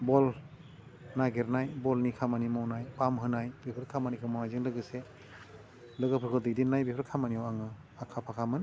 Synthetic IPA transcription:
bɔl | naɡeɾnajbɔlnikʰamanimɔwnajpamɦɯnajbipʰɯɾkʰamanikʰɯmanajzɯŋlɯɡɯse | lɯɡɯpʰɯɾkʰɯldɯdinːajbipʰɯɾkʰamaniawaŋɯ | akʰapʰakʰamɯn

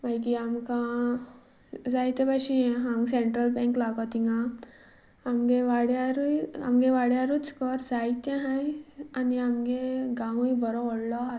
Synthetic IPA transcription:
bajkiamkã | d͡zajt̪ebaɕĩɦamɡseɳʈɾəlbɛ̃ŋklaɡɔt̪iŋɡã | amɡeʋaɽjaɾuja̰mɡeʋaɽjaɾut͡skɔɾd͡zajt̪ẽɦãjaniamɡeɡãũjbɔɾɔɔɽlɔɦat̪

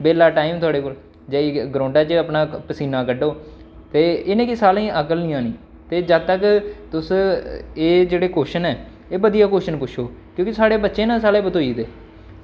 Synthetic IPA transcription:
beːlaːʈaːiːmt̪ʰʊaːɽeːkoːl | d͡ʒəːiɡɾõːɳɖaːt͡ʃəəpnaːpəsiːnaːkəɖoː | t̪eːɪnẽːkɪsaːlẽːʔəkəlnĩːãːnĩː | t̪eːd͡ʒət̪əkt̪ʊs | eːd͡ʒeːɽeːkoːʃənɛː | eːbəd̪ijaːkoːʃənpʊʃʰoːkjõːkisaːɽeːbətːʃẽːnãːsaːlẽːbət̪oːiːd̪eː

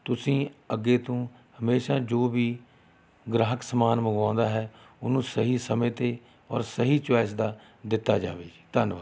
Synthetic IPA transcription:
t̪ʊsĩːəɡːeːt̪õː | həmeːʃaːd͡ʒoːʋiː | ɡɾəɦəksəmaːnməɡãːnd̪aːɦɛː | ʊnũːsəɦiːsəmẽːt̪eː | ɔ̰ːɾsəɦiːt͡ʃwɛːsd̪aː | d̪ɪt̪ːaːd͡ʒa̰ːʋeːd͡ʒiːt̪ənʋaː

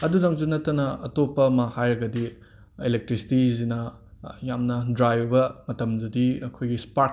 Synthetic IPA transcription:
ɐdudaŋzunɐtːɐnɐɐtopːɐːmɐhajɾɐɡɐdi | elek̚tɾisi̥tizinɐ | jamnɐdɾajbbɐmɐtɐmdɐdiɐkʰojɡispa

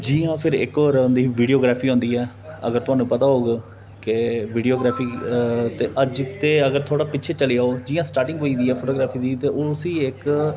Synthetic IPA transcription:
d͡ʒiːãːpʰɪɾɪ̰kɔːɾ̃nd̪iːʋiːɖijoːɡɾaːpʰiːɦõːnd̪iːɛː | ə̰ɡəɾt̪ʊɦaːnũːpət̪aːɦoːɡ | keʋɪːɖioːɡɾaːpʰiːt̪eːʔəd͡ʒt̪eːəɡəɾt̪ʰoːɽaːpɪːt͡ʃʰeːt͡ʃəleːaːoːd͡ʒiːãːsʈaːɾʈɪŋɡoːiːd̪iːɛːpʰoːʈoːɡɾaːpʰiːd̪iːt̪eːʔoːsiːɪk

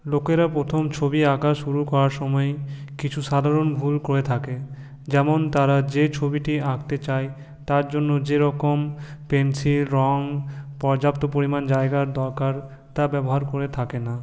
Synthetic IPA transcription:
lokeɾapɾot̪ʰomt͡ɕʰobiakaʃʃuɾukɔɾaɾʃɔmɔekit͡ɕʰuʃad̪ʱaɾonbʱulkoɾet̪ʰake | d͡ʑɛmont̪aɾad͡ʑet͡ɕʰobiʈiaɡt̪et͡ɕaj | t̪aɾd͡ʑonːod͡ʑeɾɔkompensilɾɔŋpɔɾd͡ʑapt̪opoɾimand͡ʑaeɡaɾd̪ɔɾkaɾ | t̪abɛboɦaɾkoɾet̪ʰakena

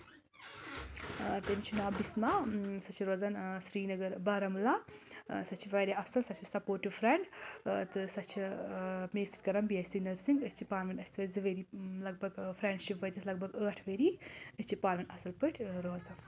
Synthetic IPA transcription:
t̪ɐmit͡ʃʰunaːbismasɐt͡ʃʰiɾoːzɐnsɾiːnɐɡɐɾbɐːɾɐmlasɐt͡ʃʰiʋɐːɾjaɐsɐlsɐt͡ʃʰisɐpoːʈiʋfʰɾɛɳɖt̪ɨsɐt͡ʃʰimeːsi̥t̪̚kɐɾɐmbiɐst̪inɐɾsiŋɡɨst͡ʃʰipaːɾmɐnɐsʲt̪ʋɐzɨʋeɾiːlɐɡ̚bɐɡfʰɾɛːɳɖʃipʋɐɾʲɐslɐɡ̚bʱɐɡəːʈʰʋeɾiɨst͡ʃʰipaːɾmɐnɐsɐlpəʈʰɾoːzɐn

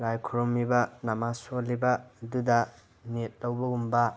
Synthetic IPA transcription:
ɾajkʰuɾomːibɐnamasolːibɐdudɐ | net̚lɐwbɐumbɐ

